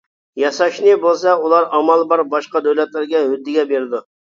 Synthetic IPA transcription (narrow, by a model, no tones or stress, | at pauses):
jɑsɑʃnɨbolˠsɑulˠɑɾɑmɑlˠbɑɾbɑʃqɑd̪øwlɛt̪lɪɾɡʲɛhyd̪ːɪɡʲɛbeɾɪd̪u